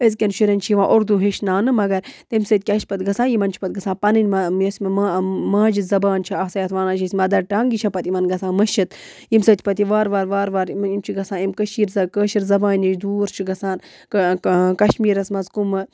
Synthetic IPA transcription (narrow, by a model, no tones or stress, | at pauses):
əz̬kʲɐnʃiɾɐnʲt͡ʃʰiiʋãːʔoɾd̪uɦeʃnaːnɨmɐɡɐɾt̪emsɐt̪̚ʲkʲɐʃpɐt̪ɡɐsãːjimɐnt͡ʃʰi̥pɐt̪̚ɡɐsaːpɐnɨnʲmɐjɐsʲmmamaːd͡ʒizɐbaːnt͡ʃʰiɐːsɐjɐt̪ʰʋaːnaːt͡ʃʰisʲmɐd̪ɐɾʈaːŋɡit͡ʃʰɐpɐt̪imɐnɡɐsãːnmɐʃit̪ | jimsɐt̪ʰʲpɐt̪iʋaːɾʋaːɾʋaːɾʋaːɾimt͡ʃʰiɡɐsãːimkəʃiːɾzɐkəːʃiɾzɐbãːnʲiʃd̪uːɾt͡ʃʰiɡɐsaːn | kkɐʃmiːɾɐsmɐzkumɨ